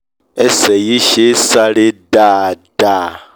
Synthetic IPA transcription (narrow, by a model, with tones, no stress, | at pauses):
ɛ˦sɛ˨ji˦ʃe˦sa˦ɺe˦da˦˨da˦˨